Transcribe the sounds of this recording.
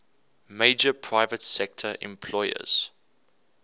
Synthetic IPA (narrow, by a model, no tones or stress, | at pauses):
meɪd͡ʒəpʰɹ̥aɪvətsɛk̚tʰəʔɛ̰̃mpʰlɔɪə̰z̥